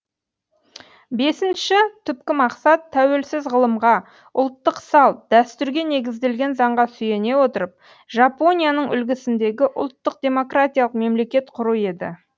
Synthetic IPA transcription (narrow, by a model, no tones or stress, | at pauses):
be̞sɪnʃɪt̪ʰʏpkʲɪmɑqsɑt̪ʰːæwe̞lsɪzʁəlˠəmʁɑ | ʊlˠt̪ːəqsɑlˠd̪̥æst̪ʏɾɡʲe̞ne̞ɡʲɪzd̪e̞lɡʲe̞nzɑɴʁɑsʏje̞ne̞wo̞t̪əɾəp̚ | ʒapo̞nʲijanəɴʏ̰lɡʲɪsɪnd̪e̞ɡʲɪʔʊ̰lˠt̪ːəq̚d̪̥ʲe̞mo̞krat̪ʲijalˠəqme̞mle̞kʲe̞t̪qʰʊɾue̞d̪ɪ